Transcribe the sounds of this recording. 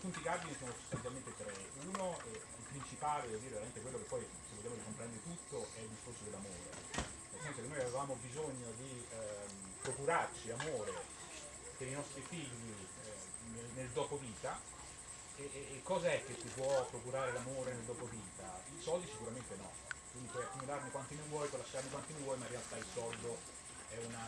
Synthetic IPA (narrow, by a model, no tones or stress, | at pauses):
punt̪ikarbinisoːnoso̥st̪ant̪jalment̪et̪ɾeunoɛilpɾint͡ʃipaːled̪od̪iːɾeveɾament̪ekwelːokepːɔj | sevolʎːaːmoɾikompɾɛnd̪eɾet̪ut̪ːoʔɛild̪iskorsod̪elamoːɾḛ | nelsɛnsokenːojavevaːmobizoɲːod̪i | pɾokuɾart͡ʃiamoːɾe | peɾinɔst̪ɾifiʎːi | nelneld̪ɔːpoviːt̪a | ekːɔːzaɛk̟ːet̪ːipwɔpːɾokuɾaːɾelamoːɾeneld̪ɔːpoviːt̪ailsɔld̪isikuɾament̪enɔ̰ | kwind̪ikeakːumulaɾnikwant̪imivwɔjpwɔlaʃːaɾnikwant̪imivwɔjmaɾiːnat̪ailsɔld̪o | ɛuna